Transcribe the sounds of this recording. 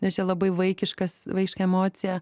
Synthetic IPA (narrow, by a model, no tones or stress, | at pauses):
nʲɛst͡ʃʲɛlˠɐbɐɪʋɐɪkʲɪʃkɐsʋɐɪkʲɪʃkɐɛmoːt͡s̪ʲɪjɛ